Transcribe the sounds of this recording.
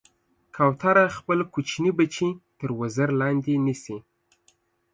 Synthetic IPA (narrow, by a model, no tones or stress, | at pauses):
kʰɑwt̪aɾaxpəlkut͡ʃnibat͡ʃit̪əɾwəzəɾlɑnd̪inisi